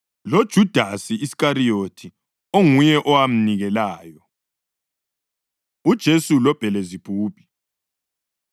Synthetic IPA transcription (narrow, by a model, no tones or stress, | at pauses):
lod̥ʒ̥ʱud̥ʱasiisi̥kaɾijotʰi | oŋujɛʔɔwam̩niɣɛlaːjɔ | ud̥ʒ̥ʱesulɔb̥ʱɛlɛzipʰʼuːpʰʼi̥